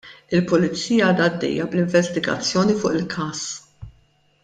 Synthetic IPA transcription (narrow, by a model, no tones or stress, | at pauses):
ɪlpʊlɪt͡sːiːjɐɐːd̪ɐːd̪ːɛ̰jːɐblɪɱvɛst̪ɪɡɐ̰t͡sːjɔːnifʊːʔɪlkʰɐːs